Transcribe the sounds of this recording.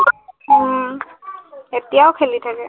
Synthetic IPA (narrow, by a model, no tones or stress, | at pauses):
etijaʊkʰelitʰakɛ